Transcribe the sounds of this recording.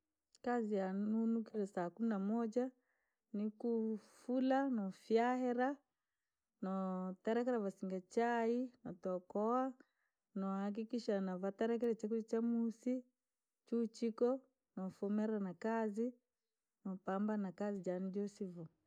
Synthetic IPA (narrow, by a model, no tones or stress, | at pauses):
kazijanunukiɾɛsakuminamɔd͡ʒa | nikufulanɔfiaɦɛɾa | nɔtaɾakɛɾavasiŋɡat͡ʃainɔtɔkɔa | nɔahak̬ikiʃanavataɾak̬ɛɾɛt͡ʃak̬ulit͡ʃamusi | t͡ʃut͡ʃikɔ | nɔfɔmɛɾanakazi | nɔpambanakazid͡ʒanid͡ʒɔsivɔ